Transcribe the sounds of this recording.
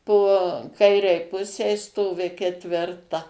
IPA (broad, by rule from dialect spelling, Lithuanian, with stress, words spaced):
poː ˈkɐɪrʲɛɪ ˈpʊsʲɛɪ ˈstoːʋʲɪ kʲɛtʲʋʲɪrˈtɐ